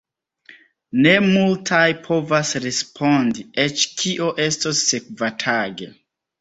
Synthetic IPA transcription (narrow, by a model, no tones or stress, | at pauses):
ne̞multʰajpʰo̞vasɾespʰo̞ndiet͡ʃkʰiʔo̞ʔe̞stosːek̚vatʰaɡḛ